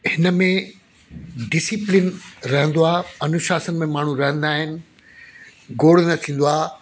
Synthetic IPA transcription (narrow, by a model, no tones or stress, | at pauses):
hɪnəmẽ | ɖɪsɪplɪnɾɐɦə̃nd̪oaːɐnʊʃaːsənɪ̆mẽmaːɳ̤ũɾɐɦə̃nd̪aːɦɪnɪ̆ | ɡoːɽnɐt̪ʰĩːn̆d̪oaː